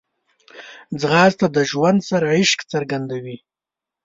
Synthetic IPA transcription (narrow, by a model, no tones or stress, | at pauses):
d͡zɣɑːzt̪ad̪əʒwand̪saɾaɪʃkt͡səɾɡand̪awi